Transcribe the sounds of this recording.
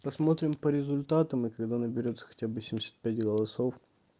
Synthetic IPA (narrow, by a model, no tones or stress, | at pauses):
pɐsmo̞t̪ɾʲɪmpəɾʲɪzʊlʲt̪at̪əmɨkɐɡd̪anəbʲɪɾʲo̞t̪sə̥xɐ̥tʲabɨsʲɪmʲɪsʲḁt̪̚pʲætʲɡəlˠɐsof